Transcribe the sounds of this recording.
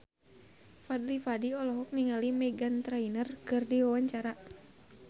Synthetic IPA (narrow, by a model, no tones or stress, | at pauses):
fad̪lifadiɔlɔɦɔk̚niŋalimɛɡant̪ɾajnərkɨrdiwawaɲt͡ʃaɾa